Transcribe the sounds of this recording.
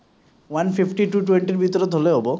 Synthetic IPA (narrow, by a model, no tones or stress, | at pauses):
wanpʰipʰʈiʈuʈweɳʈiɾbʱit̪ɔɾɔd̪ʱoleɦobɔ